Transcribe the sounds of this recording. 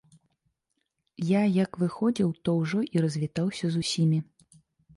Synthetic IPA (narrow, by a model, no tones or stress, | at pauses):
jajɐkvɨxɔd͡zʲiwt̪ɔwʐɔʔiɾɐzʲvʲit̪awsʲɐzusʲimʲi